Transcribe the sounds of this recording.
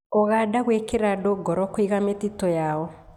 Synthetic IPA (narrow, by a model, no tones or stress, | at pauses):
ɔɣadaɣwekeɾadoɡɔɾɔkwiɣametitɔjaɔ